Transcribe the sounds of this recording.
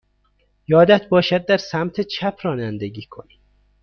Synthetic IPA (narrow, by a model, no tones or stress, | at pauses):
jɒːd̪æt̪̚ʰbɒːʃæd̪̚ːæɾsæmt̪ʰet͡ʃʰæpʰrɒːnænd̪eɟiːkʰoni